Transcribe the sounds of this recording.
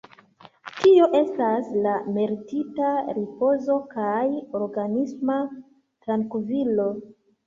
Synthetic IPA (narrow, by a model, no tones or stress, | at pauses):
tio̞ʔe̞staslame̞ɾititaɾipo̞zo̞kajo̞ɾɡanisma | tɾaŋkvilo̞